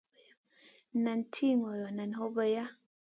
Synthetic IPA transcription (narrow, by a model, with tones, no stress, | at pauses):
na˨n˨tʰi˦ŋɔ˨jɔ˨na˨n˨ho˦bə˨ja˦